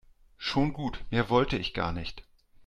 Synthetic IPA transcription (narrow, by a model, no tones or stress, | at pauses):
ʃoːnɡuːtmiːɐvɔltəɪçɡ̥a̰ːɐnɪçt